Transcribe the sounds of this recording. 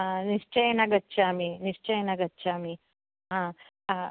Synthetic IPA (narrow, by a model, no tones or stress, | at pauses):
niʂt͡ʃɐjɐnɐɡɐtːt͡ʃʰaːminiʂt͡ʃɐjɐnɐɡɐtːt͡ʃʰaːmi | ɦãː